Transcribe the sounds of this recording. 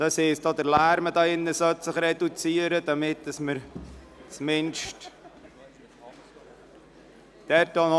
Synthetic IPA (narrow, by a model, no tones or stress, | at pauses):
d̪̥ɑseːsd̥ɑːd̪əɾlæːɾmədɑːɪnːəsœt̪səχɾɛdut͡siəɾədɑmɪtːəsməɾ | t͡smɪnʃt | d̥ɛɾtdɑːnɔ